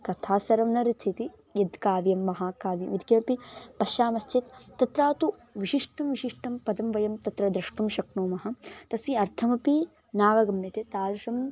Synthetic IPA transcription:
kɐt̪ʰaːsɐɾɐmnɐɾɐt͡ʃʰit̪i | jɐd̪kaːʋjɐmːɐɦaːkaːʋjɐ̰ʋid̪kɐmɐpipɐʃaːmɐst͡ʃit̪t̪ːɐt̪ɾaːt̪uʋiʃiʂʈɐmʋiʃiʂʈɐmpɐd̪ɐmʋɐjɐmt̪ɐt̪ɾɐd̪ɾɐʂʈumʃɐknoːmɐɦɐt̪ɐsiɐɾt̪ʰɐmɐpi | naːʋɐɡɐmjɐt̪et̪aːɾuʃɐm

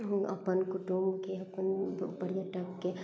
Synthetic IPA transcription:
ɐ̰pənkʊʈumkeɐpənbɐɽjəʈɐkːe

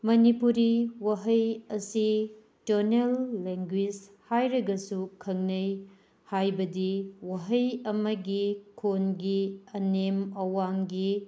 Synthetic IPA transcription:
mɐnipuɾiwɐɦɐjɐsi | tɐɾnelːeŋɡwid͡ʒhajɾɐɡɐsukʰɐŋnɐj | hajbɐdiwɐɦɐjɐmɐɡikʰonɡiɐnemɐwaŋɡi

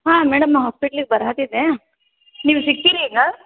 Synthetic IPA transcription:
ɦãːmeːɽɐmɐɦaːspiʈɐliɡebɐɾɦaːt̪id̪e | niːʋusik̚t̪iːɾiiŋɡɐ

